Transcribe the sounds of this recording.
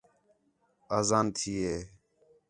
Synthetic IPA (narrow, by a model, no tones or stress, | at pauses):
aːzaːnt̪ʰiːɦeː